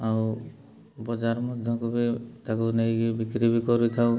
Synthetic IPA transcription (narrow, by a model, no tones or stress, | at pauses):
aw | bɔd͡ʒaɾmɔd̪ʱjɔkubit̪akunejibikɾibikɔɾut̪ʰaw